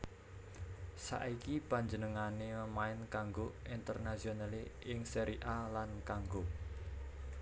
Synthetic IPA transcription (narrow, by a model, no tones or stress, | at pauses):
sa̰ʔikipaɲd͡ʒənəŋaneməmaɪnkaŋɡoint̪ərnasionaleʔɪŋsəɾiʔalankaŋɡo